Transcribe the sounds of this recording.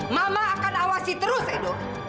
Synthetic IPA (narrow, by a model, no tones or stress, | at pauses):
mamaːkanawasit̪əɾʊsɛdɔk